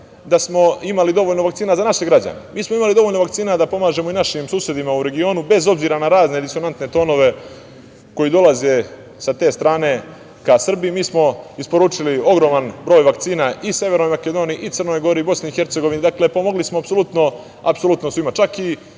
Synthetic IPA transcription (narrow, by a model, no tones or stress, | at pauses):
d̪asmo̞imalid̪o̞ʋo̞ːʎnoʋakt̪siːnazanaʃeɡɾad͡ʑa̰nemʔiːsmoimalid̪o̞ʋoʎno̞ʋakt̪siːnad̪apo̞maːʒe̞moinaʃimsuːsje̞d̪imauɾe̞ɡio̞ːnube̞zo̞bziːɾanaɾaːzne̞d̪iso̞nant̪ne̞t̪o̞ːno̞ʋe̞ | ko̞jid̪o̞lˠaze̞ | sat̪e̞ːst̪ɾaːne̞ | kasr̩biːmiːsmo̞ispo̞ɾuːt͡ʂilio̞ɡɾo̞ːmanbɾo̞ːjʋakt̪siːnaʔisje̞ʋe̞ɾno̞jmake̞d̪o̞ːniiʔit̪sərno̞ːjɡo̞ɾibo̞sneixe̞ɾt̪se̞ɡo̞ʋinid̪akle̞po̞mo̞ɡlismoapsolut̪no̞ | a̰pso̞lut̪nosʋimat͡ʃaki